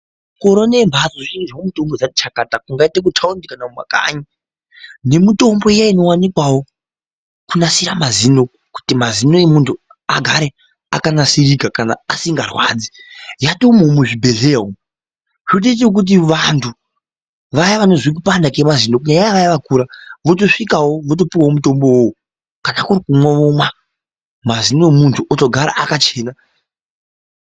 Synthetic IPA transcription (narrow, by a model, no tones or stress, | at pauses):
ko̞ɾonembʱazoʐiʃiŋɡiʐaomuto̞mbod͡zati̥t͡ʃakatakuŋɡaitek̬utʰaundikanamwa̰ka̰ɲi | ne̞mito̞mbo̞ijaino̞wanikwawo̞ | kunasiɾamazino̞ | ku̥timazino̞emuntʰu | a̰ɡʱaɾe̞ | a̰kanasiɾikakana̰asiŋɡarwa̰ːd͡zijatomoːmuʐibʱe̞ɮeɦo | ʐoɗet͡ʃ̬ek̬ut̬iʋantʰu | ʋajaʋano̞zwik̬upandakemazino̞kuɲajajaʋajaʋakuːɾaʋot̬o̞ʂikawoʋot̬o̞piwawomuto̞mbo̞woo | kanakuɾikumwoʋomwa | mazino̞emuntʰuʔoto̞ɡʱaɾa̰ʔakat͡ʃe̞ːna